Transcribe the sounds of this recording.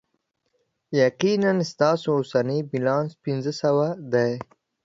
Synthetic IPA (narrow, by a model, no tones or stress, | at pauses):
jaqinanst̪ɑːsoʊsanibilɑ̃nspinzəsawad̪aj